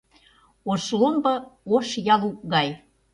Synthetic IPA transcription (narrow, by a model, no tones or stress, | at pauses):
oʃlombɤ̆oʃjɑluk̚ɣɑj